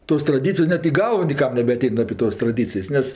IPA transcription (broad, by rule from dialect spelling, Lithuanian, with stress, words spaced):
toːs trɐˈdʲiːt͡sʲɪjoːs ˈnʲɛt iː ˈɡɐlˠʋoː nʲeːˈkɐm nʲɛbʲɛɐˈtʲɛɪn ɐpʲeː ˈtoːs trɐˈdʲiːt͡sʲɪjsʲ ˈnʲɛs